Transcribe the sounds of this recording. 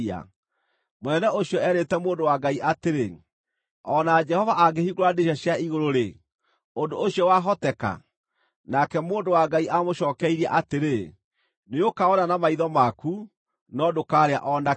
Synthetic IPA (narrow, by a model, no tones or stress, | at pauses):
a̰ | monɛnɛoɕiɔɛɾetɛmoːndowaɡaiʔateɾe | ɔnad͡ʒɛhɔvaʔaɡeɦiɣoɾandeɕaɕjaiɣoɾoɾe | ondoːɕiɔwaɦɔtɛka̰ | nakɛmoːndowaɡaiʔamoʃɔːkɛiɾiaʔateɾe | neokaɔnanamaiðɔmaku | nɔdokaːɾea̰ʔɔna